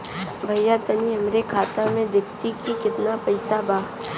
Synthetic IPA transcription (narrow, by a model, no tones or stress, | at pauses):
bʱɐjjat̪ɐniɐmɾekʰaːt̪amẽd̪ɪk̚t̪ikikɪt̪napɐɪsabaː